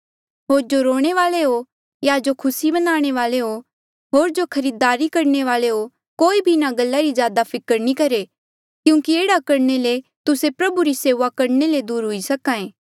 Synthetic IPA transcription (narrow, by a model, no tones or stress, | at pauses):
ɦoːɾd͡ʒoɾoːɽ̃eʋaːleɦo | jad͡ʒokʰʊsibɐnaːɽ̃eʋaːleɦo | ɦoːɾd͡ʒokʰɐɾiːd̪aːɾikɐɾɳeʋaːleɦo | koːibʱinaɡɐlːaɾizjaːd̪apʰɪkəɾnikɐɾe | kjũːkieːɽakɐɾnelet̪ʊsepɾɐbuɾiseːʋakɐɾneled̪uːɾɦʊisɐkãːẽː